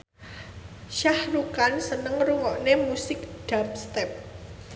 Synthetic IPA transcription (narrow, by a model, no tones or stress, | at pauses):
ʃahrukansənəŋruŋɔʔnemusɪk̚ɖ̥ap̚st̪ɛp̚